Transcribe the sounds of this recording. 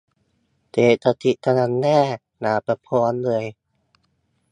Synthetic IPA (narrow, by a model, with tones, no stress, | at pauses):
t̪eː˨˩t̪a˧˩t̪ʰi˧˩ʔt̪ʰa˧na˧˥nːɛː˥˩ | naː˨˧˦pa˧pʰɔː˧˥nlɯː˧əj